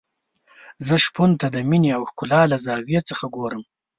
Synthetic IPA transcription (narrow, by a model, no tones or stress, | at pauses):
zəʃpunt̪ad̪əmineawxkʊlɑːlazɑːwjet͡səxaɡoːɾəm